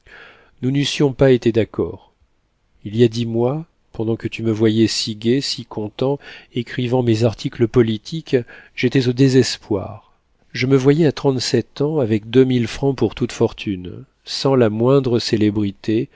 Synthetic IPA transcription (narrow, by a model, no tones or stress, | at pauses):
nunysjɔ̃paet̪ed̪akɔ̰ʁ | ilijad̪imwa | pɑ̃d̪ɑ̃kət̪yməvwajɛsiɡʲesikʰɔ̃t̪ɑ̃ekχivɑ̃mezaʁt̪ʰikləpɔlit̪ʰikʒ̥et̪ɛzod̪ezɛspwa̰ʁ | ʒəməvwajɛat̪χɑ̃t̪sɛt̪ɑ̃avɛk̚d̪ømilfχɑ̃puʁt̪ut̪fɔʁt̪ʰyn | sɑ̃lamwɛ̃d̪ʁəselebʁit̪e